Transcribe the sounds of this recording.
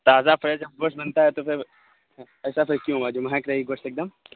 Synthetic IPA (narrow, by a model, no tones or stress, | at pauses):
t̪aːzafʰɐɾed͡ʒɐb̚ɡoːsʈbɐnt̪aɦɛt̪opʰɪɾ | ɛːsapʰɪɾkjũɦuad͡ʒoːmɐɦɛ̃kɾɐɦiiɡoːst̪eːk̚d̪ɐm